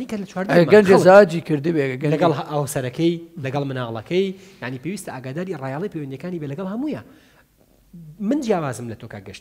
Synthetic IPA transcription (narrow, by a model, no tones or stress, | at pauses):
anikɐlɐt͡ʃwaːɾd̪maɡɐnd͡ʒɐzad͡ʒikɨɾd̪ɨbeɡɐlɐɡɐlˠɦʔɐwsɐɾɐkʰɐjlɐɡɐlˠmɨnaːlˠɐ̰kʰɐjjaʕnipewiːst̪ɐʔaːɡaːd̪aːɾirɑːjaːlˠɐjpʰewɐnd̪jɐkaːnibelɐɡɐlˠhɐmuːja | mɨnd͡ʒjaːwaːzɨmlɐt̪ʰoka̰ɡɐʃt̪